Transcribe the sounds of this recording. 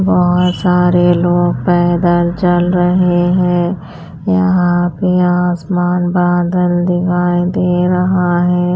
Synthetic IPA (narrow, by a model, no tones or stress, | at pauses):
bɔɦʊt̪saːɾeloːɡ̚pɛːd̪alt͡ʃɐlɾɐɦeɦɛ̃ː | jɐɦãpeaːsmaːnbaːd̪əld̪ɪkʰaːjid̪eːɾɐɦaɦɛ̃ː